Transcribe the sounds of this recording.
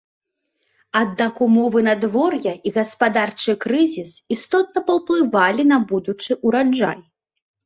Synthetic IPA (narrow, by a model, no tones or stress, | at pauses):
ad̪nakumɔvɨnad̪vɔrjɐʔiɣɐspad̪art͡ʂɨkɾɨzʲisist̪ɔt̪̚nɐpɐwplˠɨvalʲinɐbud̪ut͡ʂɨʔuɾad͡ʐa̰j